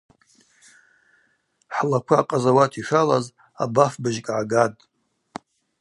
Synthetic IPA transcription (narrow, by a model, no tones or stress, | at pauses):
ħlakʷʰaːqʼazawatʰiʂʷalaz | a̰bafbɨʒkʼʕaɡatʼ